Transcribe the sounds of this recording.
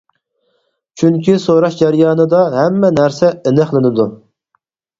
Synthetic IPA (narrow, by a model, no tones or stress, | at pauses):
t͡ʃʰyŋkʲisoɾɑʃd͡ʒæɾjɑːnɨd̪ɑɦɛmːɛnæɾsɛenɨχlˠɪnɪd̪u